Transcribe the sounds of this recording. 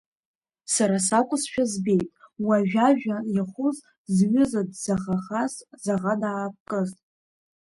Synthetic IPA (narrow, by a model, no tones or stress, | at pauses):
saɾas̬akʷʼʊsʃᶣazbe̞jtʼwaʒᶣaʒᶣajaχʷʊz | zɥʊzadzaχaχaszaʁadaːp̚kʼɨztʼ